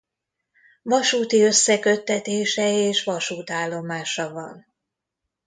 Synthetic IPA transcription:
vɒʃuːt̪iø̞sːɛkøt̪ːɛt̪eːʃɛeːʃʋɒʃuːt̪aːlːo̞maːʃɒvɒn

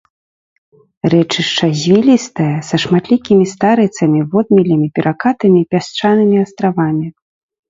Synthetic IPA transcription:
rɛt͡ʂɨʂt͡ʂɐzʲvʲilʲist̪ɐjɐsɐʂmat̪lʲikʲimʲist̪aɾɨt̪sɐmʲivɔd̪̚mʲilʲimʲipʲɛɾʔakat̪ɐmʲipʲast͡ʂanɨmʲiast̪ɾavamʲi

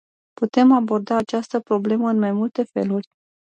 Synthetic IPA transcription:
put̪e̞mabo̞rd̪aːt͡ʃast̪əpɾo̞ble̞məɨnmajmult̪e̞fe̞̰lurʲ

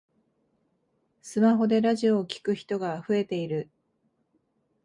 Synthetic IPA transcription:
sɨmaɦo̞d̪e̞ɾaʑio̞ːkʲi̥kɯ̟çi̥t̪o̞ɡaɸɯ̟e̞t̪e̞iɾɯ̟

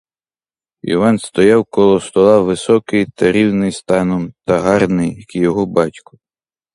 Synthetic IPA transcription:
ḭʋɑnst̪ɔjɑwkɔlˠɔst̪ɔlˠɑʋɪsɔkɪjt̪ɐɾʲiwnɪjst̪ɑnɔmt̪ɐɦɑrnɪjkjɔɦɔbɑtʲkʊ̥

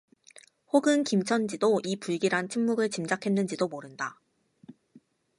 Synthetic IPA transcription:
hoɡɯnkimt͡ɕʰʌnd͡ʑidoʔipuɭɡiɾant͡ɕʰimːuɡɯɭt͡ɕimd͡ʑakʰe̞nːɯnd͡ʑidomoɾɯnda

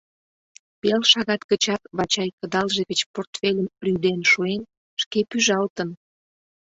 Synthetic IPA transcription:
pelʃɑɣɑt̪kət͡ɕɑkβɑt͡ɕɑjkəd̪ɑlʒeɣət͡ɕport̪felʲəmryd̪enʃuen | ʃkepyʒɑlt̪ən

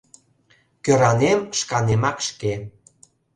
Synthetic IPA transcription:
køɾɑnemʃkɑnemɑkʃke

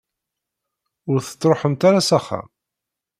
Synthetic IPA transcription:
ʊɾθə̥t͡sˤːɾoħəmt̪aɾasaχːa̰

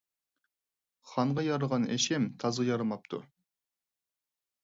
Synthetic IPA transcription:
χɑɴʁɑjɑɾəʁɑnɛ̰ʃɛmt̪ʰɑzɑjɑɾɨmɑp̚t̪ʰṵ

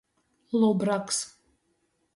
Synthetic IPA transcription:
lˠɔbɾaks

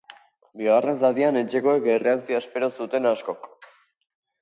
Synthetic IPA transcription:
bioɣarensaðiane̞t͡ʃe̞ko̞ekere̞ansioespe̞ɾosut̪e̞nasko̞k

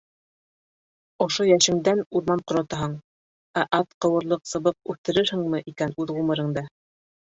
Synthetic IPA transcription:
ŏʃojæʃɘ̆ŋd̪ænuɾmɑnqŏɾɑ̆t̪ɑɦɑɴ | æʔɑt̪qɤ̆wɤ̆ɾlˠɤqsɤ̆βɤq̚ʉθt̪ɘ̆ɾɘɾhɘ̆ŋmɘʔikænʉðʁumɤ̆ɾɤ̆ŋd̪ɑ

